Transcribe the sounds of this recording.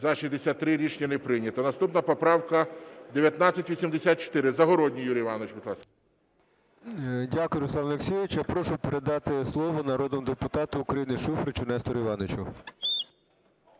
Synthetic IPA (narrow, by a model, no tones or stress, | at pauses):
zɐʃizʲd̪esʲat̪t̪ːɾɪɾʲit͡ʃnʲinɛpɾɪnʲɐt̪ɔnɐst̪upnɐpɔpɾɑwkɐd̪eʋʲjɐt̪nɑt͡sʲɐtʲʋʲisʲimd̪esʲat̪̚t͡ʃɔ̥t̪ɪɾɪzɐɦɔɾɔdʲnʲijuɾʲijʋɑnɔt͡ʃbɪt̪lˠɑs | dʲakʊjʊɾʊslˠɑnɐleksʲiʋɪt͡ʃjapɾɔʃʊpeɾed̪ɑt̪ɪslˠɔʋɔnɐɾɔd̪nɔmʊd̪epʊt̪ɑt̪ʊːkɾɐjinɪʃufɾɪt͡ʃʊnɛst̪ɔɾiʋɑnot͡ʃʊ